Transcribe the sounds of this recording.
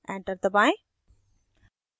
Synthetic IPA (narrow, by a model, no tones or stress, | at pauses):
ɛ̃ːɳʈəɾt̪ɐbãːẽ